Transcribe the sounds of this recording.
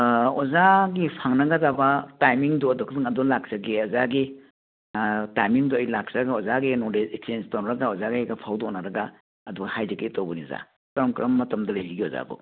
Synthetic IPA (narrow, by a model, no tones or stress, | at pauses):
ɔzaɡipʰaŋnɐɡazabatajmiŋdɔɐdɔkʰdɯŋɐdɔlak̚saɡeɔzaɡi | tajmiŋduɔjlak̚saɡaɔzaɡinɔdeeksenstawnɾɐɡaɔzaɡajɡapʰawdɔnaɾɐɡa | ɐduɡahajzeketowbɔniza̰ | kɐɾɔmkɾɐmːɐtɐmdɐlajziɡiɔza̰bṵ